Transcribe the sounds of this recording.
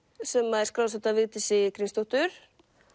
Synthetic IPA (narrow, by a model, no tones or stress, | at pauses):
sɛmːaɛɾ̥skɾaws̬at̪avɪːt̪ɪsɪkɾinst̪ɔht̪ʏɾ̥